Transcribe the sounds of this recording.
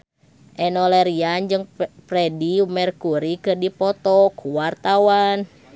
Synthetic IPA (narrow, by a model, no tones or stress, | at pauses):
ʔɛnɔlɛɾiand͡ʒɨŋpɾɛdiumɛrkuɾikɨrdipɔt̪ɔkʰuwart̪awan